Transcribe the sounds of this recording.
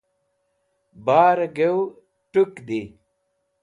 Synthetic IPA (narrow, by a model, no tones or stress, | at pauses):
baːɾɐɡew | ʈukd̪i